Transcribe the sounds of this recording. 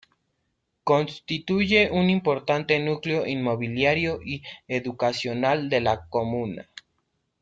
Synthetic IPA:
ko̞nst̪it̪uʝe̞ʔunimpo̞ɾt̪ant̪enukleo̞ʔinmo̞βiljaɾjo̞ʔieðukasjo̞nald̪e̞lakomũna̰

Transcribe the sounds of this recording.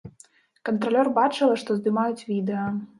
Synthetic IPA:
kɐnt̪ɾalʲɔrbat͡ʂɨlˠɐʂt̪ɔzd̪ɨmajut͡sʲvʲid̪ɛjɐ

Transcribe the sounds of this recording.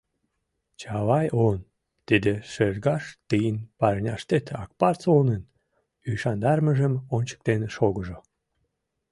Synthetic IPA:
t͡ɕɑβɑjʔon | t̪id̪eʃerɣɑʃt̪ɨjənpɑɾnʲɑʃt̪et̪ɑ̰k̚pɑrt͡solnən | yʃɑnd̪ɑrməʒəmonʲt͡ɕə̥k̚t̪eneʃoɣəʒo

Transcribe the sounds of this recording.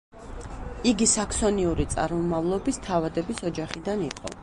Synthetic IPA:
iɡisakʰsɔniuɾit̪sʼa̰ɾmɔmavlˠɔbist̪ʰavad̪ɛbisɔd͡ʒaχid̪aniqʼɔ̰

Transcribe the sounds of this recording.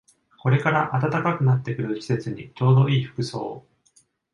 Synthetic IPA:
ko̞ɾe̞kaɾaʔat̪at̪akakɯ̟nat̪ːe̞kɯ̟ɾɯ̟ɕi̥se̞t͡sɨɲ̟ḭt͡ɕo̞ːd̪o̞iːɸɯ̟̥kɯ̟so̞̰ː

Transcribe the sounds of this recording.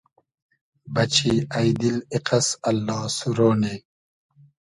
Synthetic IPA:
bɐt͡ɕiːajd̪iliqɐsɐlːɑːsuɾoːne

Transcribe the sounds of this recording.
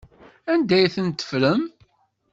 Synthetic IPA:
ænd̪æjθənt̪ːə̥fɾəm

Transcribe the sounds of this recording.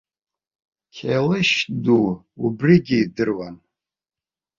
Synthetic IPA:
kʰelɨʃduubriɡʲiːdɨrwan

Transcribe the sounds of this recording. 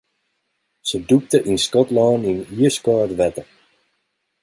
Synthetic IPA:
səduk̚təʔinskɔtlaːniniəskɔːtʋɛtə

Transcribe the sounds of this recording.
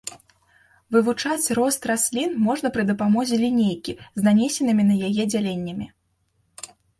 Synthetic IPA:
vɨvut͡ʂat͡sʲrɔst̪rasʲlʲinmɔʐnɐpɾɨd̪ɐpamɔzʲɛlʲinʲejkʲiznanʲesʲɛnɨmʲinɐjajɛd͡zʲalʲenʲːɐmʲi

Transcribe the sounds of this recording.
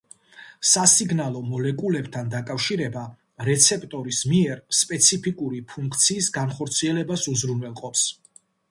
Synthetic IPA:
sasiɡnalˠɔmɔlɛkʼulɛbt̪ʰand̪akʼafʃiɾɛba | ɾɛt̪sʰɛpʼt̪ʼɔɾismiɛɾspʼɛt̪sʰipʰikʼuɾipʰuŋkʰt̪sʰiːsɡanχɔɾt̪sʰiɛlɛbasuzɾunwɛlˠqʼɔps

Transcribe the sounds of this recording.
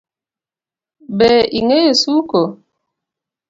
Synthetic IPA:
bɛiŋejesuko

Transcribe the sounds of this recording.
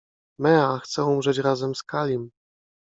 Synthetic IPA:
mɛaxt̪sɛumʐɛt͡ɕɾazɛmskalʲim

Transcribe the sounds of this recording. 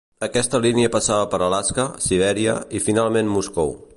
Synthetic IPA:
əkɛst̪əliniəpəsaβəpəɾəlaskəsiβ̞ɛɾiə̰ifinalˠmenmuskow

